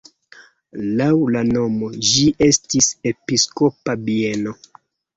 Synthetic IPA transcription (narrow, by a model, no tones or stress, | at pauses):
lawlano̞mo̞d͡ʒiʔe̞stise̞pisko̞pabieno̞